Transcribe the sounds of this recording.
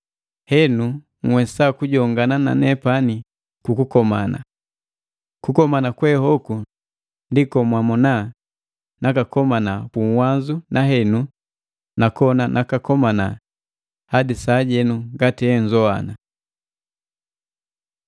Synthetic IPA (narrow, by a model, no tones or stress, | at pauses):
hɛnu | ŋwɛsakuɟɔŋɡanana̰nɛpani | kukukɔmana̰ | kukɔmanakwɛhɔku | ndikɔmwamɔna | nakakɔmanakuŋwanzunaɦɛnu | nakɔnanʔakakɔmana | hadisaːɟɛnuɡatiɛɲzɔa̰na